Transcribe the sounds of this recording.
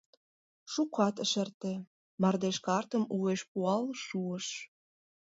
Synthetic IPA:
ʃukɑt̪əʃə̆rt̪ĕ | mɑrd̪eʃkɑrt̪əmueʃpuɑlʃuəʃ

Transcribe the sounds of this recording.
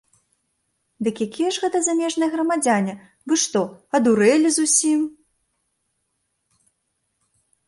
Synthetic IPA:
d̪ɨkjakʲijɛʐɣɛt̪ɐzamʲɛʐnɐjɛɣɾɐmad͡zʲanʲɛ | vɨʂt̪ɔɐd̪uɾɛlʲizusʲim

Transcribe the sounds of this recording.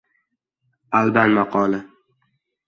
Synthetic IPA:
alb̪anmaqʰɒːlɪ

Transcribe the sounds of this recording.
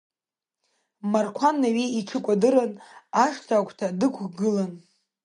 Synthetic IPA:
markʷʰanːaɥeiʈ͡ʂʰɨkʷʼadɨɾanaʂtʰaːkʷʰʼtʰadɨkʷʰɡɨlan

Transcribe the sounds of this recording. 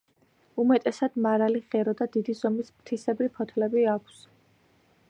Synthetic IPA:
umɛt̪ʼɛsad̪̥maɾaliʁɛɾɔd̪ad̪id̪izɔmismt̪ʰisɛbɾipʰɔt̪ʰlɛbiakʷʰs

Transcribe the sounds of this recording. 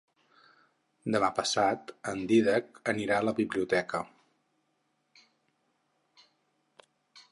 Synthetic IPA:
d̪əmapəsat̪ənd̪iðəkəniɾaələβiβliut̪ɛkə

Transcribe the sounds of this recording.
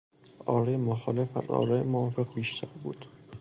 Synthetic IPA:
ɒːɾɒjmoxɒːlefæ̰zɒ̰ːɾɒːjemoɒːfeɣbiːʃt̪ʰæɾbṵːd̪̥

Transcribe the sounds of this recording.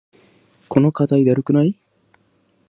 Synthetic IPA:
konokat̪ajd̪aɾukynaj

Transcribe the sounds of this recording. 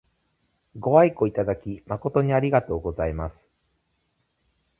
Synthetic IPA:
ɡo̞aiko̞it̪ad̪akʲimako̞t̪o̞ɲ̟iaɾʲiɡat̪o̞ːɡo̞zaimasɨ̥

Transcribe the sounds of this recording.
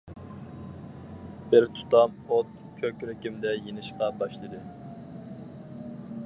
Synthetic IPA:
b̥ɪɾt̪ʰu̥t̪ɑmot̪ | kʲʰøkʲɾɪkʲimd̪ɛjenɪʃqɑbɑʃlˠɨd̪ɨ

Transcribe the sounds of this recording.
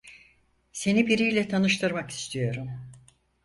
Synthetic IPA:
se̞nibiɾijlʲɛt̪ʰanɯʃt̪ʰɯɾmaki̥st̪ʰijo̞ɾum

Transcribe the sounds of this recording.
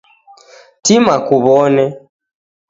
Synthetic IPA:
timakuβɔnɛ

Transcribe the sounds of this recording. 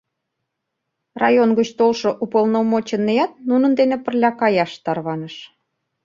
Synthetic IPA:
rɑjonɡət͡ɕt̪olʃŏʔupəlnomot͡ɕə̆nːeɑt̪̚nunə̆nd̪enepə̆rlʲɑkɑjɑʃt̪ɑrβɑnəʃ

